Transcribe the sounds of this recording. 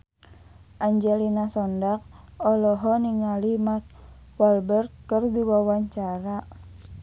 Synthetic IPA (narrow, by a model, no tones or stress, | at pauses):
ʔaɲd͡ʒɛlinasɔndak̚ɔlɔɦɔniŋalimat̚ | walbərt̪̚kərdiwawaɲt͡ʃaɾa